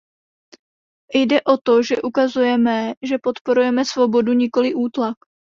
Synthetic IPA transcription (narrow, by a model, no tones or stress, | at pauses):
jdɛʔo̞t̪o̞ʒɛʔukazujɛmɛʒɛpo̞t̪po̞ɾujɛmɛsvo̞bo̞duɲɪko̞lɪʔuːt̪lak